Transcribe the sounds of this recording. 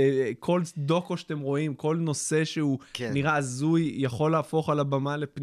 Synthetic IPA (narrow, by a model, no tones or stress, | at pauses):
kʰo̞ld̪o̞koʃḁt̪emʁo̞imko̞lno̞se̞ʃeuniʁaːzujjaχo̞laːfo̞χalabamale̞pn